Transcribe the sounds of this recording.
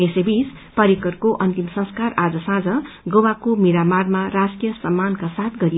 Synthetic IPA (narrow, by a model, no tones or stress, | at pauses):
esebis | pʌɾikʌrkoʔʌnt̪imsʌ̃ŋskarad͡zʌsãd͡zʌɡowakomiɾamarmaraskijʌsʌmːankasat̪̚ʰɡʌɾij